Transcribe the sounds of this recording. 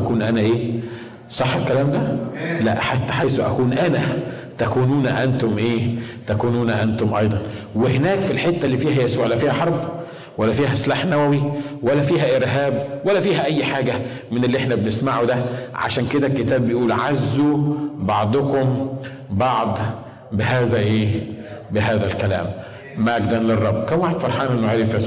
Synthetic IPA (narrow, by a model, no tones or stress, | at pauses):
ækuːnʔænæʔeː | sˤɑħːelkːælæːmd̪ælæʔħat̪ːæ̥ħajsuʔæ̰kuːnʔænæ | t̪ækuːnuːnʔænt̪omʔeːt̪ækuːnuːnæʔænt̪omʔɑjd̪ˤɑn | wehenæːkfilħet̪ːælːiːfiːhæjæsuːʕʔlːæfiːhæħɑɾˤb | wælːæfiːɦæslaːħnæwæwiwælːæfiːɦæʔeɾɦæːb̚wælːæfiːɦæʔæjːħaːɡæ | mɪnelːiʔeħnæbenesmaʕud̪æʕa̰ʃæːnked̪ækːet̪æːbːejʔuːlʕazːubɑʕd̪ˤokom | bɑʕd̪ˤ | beɦæːzæʔeː | bɪɦæːðælkælæ̰ːmː | æɡd̪ænlerˤːɑbːkæmwaːħed̪fɑɾˤħɑːnʔenːoʕeːɾefjæsuː